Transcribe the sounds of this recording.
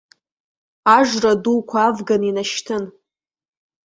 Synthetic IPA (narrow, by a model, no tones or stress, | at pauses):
aʐʷradukʷʰaːvɡaninaʃtʰɨn